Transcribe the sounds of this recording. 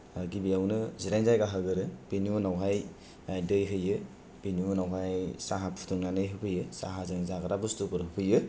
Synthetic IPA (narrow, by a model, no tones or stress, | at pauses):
aɡibijawnɯziɾajnzajɡaɦɯɡɯɾɯb̥iniunawɦaj | ajdɯjɦɯjɯ | b̥iniunawɦajsaɦapʰu̥tuŋnanɯjɦɯpʰɯjɯsa̰ɦazɯŋzaɡaɾabustupɯɾɦɯpʰɯjɯ